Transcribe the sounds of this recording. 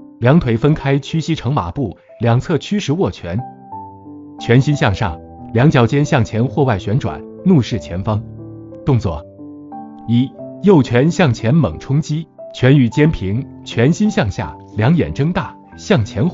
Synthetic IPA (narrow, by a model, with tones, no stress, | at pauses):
ljɑ˧˥ŋt̪ʰwe˧˥ɪfə˥nkʰa˥ɪt͡ɕʰy˥ɕi˥ʈ͡ʂʰɤ˧˥ŋma̰˨˩pu˥˩ | ljɑ˨˩ŋt͡sʰɤ˥˩t͡ɕʰy˥ʂɻ̩˧˥wɔ˥˩t͡ɕʰɥɛ˧˥n | t͡ɕʰɥɛ˧˥nɕi˥nɕjɑ˥˧ŋʂɑ̰˥˩ŋ | ljɑ˧˥ŋt͡ɕjɑ˧˥ʊt͡ɕjɛ˥nɕjɑ˥˩ŋt͡ɕʰjɛ˧˥nxwɔ˥˧wa˥˩ɪɕɥɛ˧˥nʈ͡ʂwa̰˨˩˦n | nu˥˧ʂɻ̩˥˩t͡ɕʰjɛ˧˥nfɑ˥ŋ | t̪ʊ˥˧ŋt͡swɔ̰˥˩ | i˨˩jo˥˩ʊt͡ɕʰɥɛ˧˥nɕjɑ˥˩ŋt͡ɕʰjɛ˧˥nmɤ̰˨˩ŋʈ͡ʂʰʊ˥ŋt͡ɕi˥t͡ɕʰɥɛ˧˥ny˨˩t͡ɕjɛ˥npʰi˧˥ŋ | t͡ɕʰɥɛ˧˥nɕi˥nɕjɑ˥˧ŋɕja̰˥˩ | ljɑ˧˥ŋjɛ̰˨˩nʈ͡ʂɤ˥ŋt̪a˥˩ | ɕjɑ˥˩ŋt͡ɕʰjɛ˧˥n